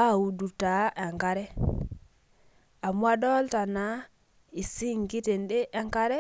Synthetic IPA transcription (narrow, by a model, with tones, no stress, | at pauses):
a˦˨u˨du˨ta˨˦ʔɛ˨ŋka˦ɾɛ˦ | a˨mwa˦dɔ˦lta˨na˨˦ | i˨si˦ŋkɪ˦te˨ndɪ˦ʔɛ˦ŋka˦ɾɛ˦